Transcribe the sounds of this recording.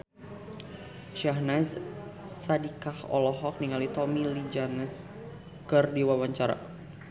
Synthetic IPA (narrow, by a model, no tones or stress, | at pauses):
ʃaɦnassadikahɔ̰lɔɦɔk̚niŋalit̪ɔmilid͡ʒanəs | kɨrdiwawaɲt͡ʃaɾa̰